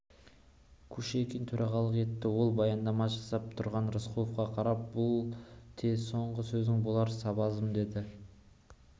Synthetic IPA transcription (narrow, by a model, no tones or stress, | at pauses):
kʲʰɵʃekʲʰent̪ʰɵɾʔɑʁɑlˠəqe̞t̪ːɪwo̞lˠbɑjɑnd̪ɑmɑʒɑsɑp̚t̪ʰʊɾʁɑnɾəsqʰulˠəfqɑqʰɑɾɑp̚bʊlˠt̪ʰeso̞ɴʁəsɵzɪŋbolˠɑɾsɑbɑzəmd̪e̞d̪ɪ